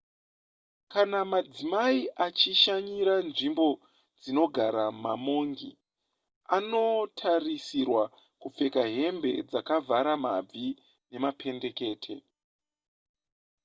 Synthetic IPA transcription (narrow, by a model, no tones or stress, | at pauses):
kanamad͡zimaiʔat͡ʃiʃaɲiɾanʐimbo̞ | d͡zino̞ɡʱaɾamamo̞ŋɡḭ | ano̞tʰarisirwa | kup͡fe̞kaɦe̞mbe̞̰d͡zakavʱaɾama̰b͡vi | ne̞mapʰe̞nde̞ke̞ːtʰe̞̰